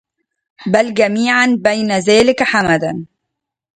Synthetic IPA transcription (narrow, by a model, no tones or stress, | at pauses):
balɡamiːʕanbajnazaːlɪkħamad̪an